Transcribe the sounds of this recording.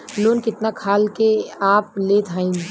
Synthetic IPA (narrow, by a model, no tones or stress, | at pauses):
loːnkɪt̪nakʰaːlkeaːpleːt̪aːĩː